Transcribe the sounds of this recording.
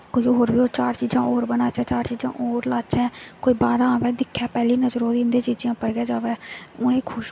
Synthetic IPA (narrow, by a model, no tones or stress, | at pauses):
koːiːoːɾbiːoːt͡ʃaːɾt͡ʃiːd͡ʒãːʔoːɾbənaːt͡ʃɛ̃ːt͡ʃaːɾt͡ʃiːd͡ʒã̰ːʔoːɾlaːt͡ʃɛ̃ːkoːiːbaːɾãːʋɛːd̪ɪkʰːɛːpɛːliːnəd͡ʒɾoːd̪ĩːnd̪eːt͡ʃiːd͡ʒjãːpəɾɡɛːd͡ʒaːʋɛːʊnẽːkʰʊʃ